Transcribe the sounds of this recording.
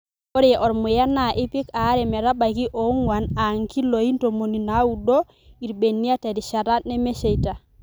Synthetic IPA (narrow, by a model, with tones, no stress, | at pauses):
o˦ɾee˨ʔɔ˨ɾmʊ˨ja˦na˨ʔɪ˦pɪ˦ka˨˦ɾɛ˨mɛ˨ɾa˦ba˨ki˦ʔɔ˨˦ŋwa˨na˨ŋki˦lo˨i˦nto˨mo˨ni˨na˨˦u˨do˦ | i˨ɾbe˨nːi˦a˦te˨ɾi˨ʃa˨ɾa˦nɛ˦me˦ʃe˨i˨ta˨